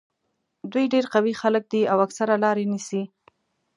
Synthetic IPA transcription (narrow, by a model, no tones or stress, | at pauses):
d̪wujɖeɾqawixalək̚d̪iawaksaɾalɑɾenisi